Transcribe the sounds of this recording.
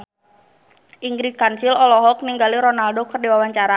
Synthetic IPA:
ʔiŋɡɾikansilɔlɔɦɔk̚niŋɡaliɾɔnaldɔkərdiwawaɲt͡ʃaɾa

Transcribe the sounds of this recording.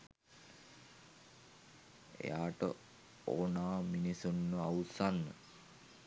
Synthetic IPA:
ḛjaːʈə̰ | oːnaːminisunːəawsanːə̰

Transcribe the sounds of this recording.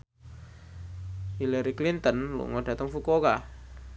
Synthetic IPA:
hiləɾiklint̪ənlṵŋɔd̥a̤t̪əŋfukokah

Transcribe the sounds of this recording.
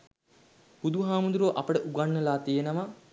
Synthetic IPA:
b̥ud̪uɦaːmund̪uɾoʔapəʈəʔuɡanːəlaːt̪ijenəʋa

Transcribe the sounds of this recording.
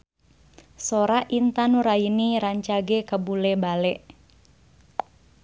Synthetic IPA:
soɾaʔint̪anuɾainiɾaɲt͡ʃaɡekəbulɛbalɛʔ

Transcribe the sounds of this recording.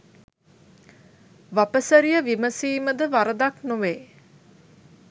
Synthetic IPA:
ʋapəsəɾijəʋiməsiːməd̪əʋaɾəd̪aknuʋeː

